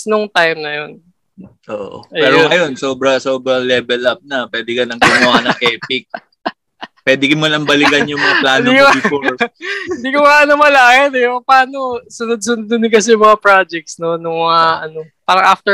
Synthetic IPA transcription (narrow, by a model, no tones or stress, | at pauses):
snʊŋt̪ajmnɐjon | ʔo̰ːʔʔo̰ɐɛːɾoɐjo̞nsoːbɾɐsoːbɾɐŋlɛːbɛlɐp̚nɐpwɛːd̪ɛkɐnɐŋɡʊnanɐŋʔɛːpɪk̚ | pwɛːd̪ɪkɪmɐnɐmbɐlɪɡɐnjʊŋmɐŋaplaːnikɪɪnd̪iːkomɐaʔɐnomɐlaːhɛnɛpɐpaːnosʊnʊd̪̚sʊnʊd̪ʊd̪nɪkɐsɛjʊŋmɐŋɐpɹad͡ʒɛk̚t̪snonʊŋmɐɐʔɐnopaːɾɐŋʔaft̪ɛ